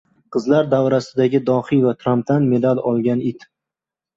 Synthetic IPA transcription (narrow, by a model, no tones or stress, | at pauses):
qʰɨzlaɾd̪avɾasɪd̪aɡʲɪd̪ɒhivat̪ʰɾamp̚t̪anme̞d̪alɒlˠɡʲanɪt̪